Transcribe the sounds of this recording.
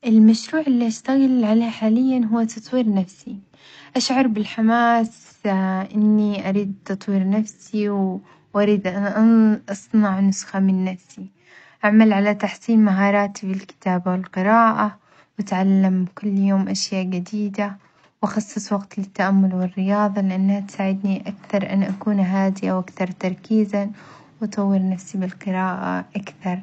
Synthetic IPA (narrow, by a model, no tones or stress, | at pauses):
ʔɪlmaʃɾuːʕɪlːiʔaʃt̪aɣɪlʕaleːħaːlɪjːanɦʊwːat̪ʰɑt̪ˤwiːɾnafsi | ʔaʃʕɑɾˤbɪlħamaːs | ʔɪnːiʔaɾiːd̪̚t̪ɑt̪ˤwiːɾnafsiw | wʔaɾiːd̪ʔʔʔɑsˤnɑʕnʊsxamɪnːafsi | ʔaʕmalʕalat̪aħsiːnmaɦɑːɾˤɑːt̪ifilkɪ̥t̪aːbawɪlqɪɾaːʔa | wɪt̪ʕalːamkʊlːjoːmʔaʃjaːʔd͡ʒad̪iːd̪a | wʔɑxɑsˤːɨsˤwɑɡt̪lɪt̪ːaʔamːʊlwɪrːɪjɑːðˤɑlɪʔanːhat̪saːʕɪd̪niʔakθɑɾˤʔa̰nʔakuːnɦaːd̪ɪʔawʔakθɑɾˤt̪ɑɾˤkiːza | wɑt̪ˤɑwːɪɾnafsibɪlqɨɾaːʔa̰ʔakθɑɾˤ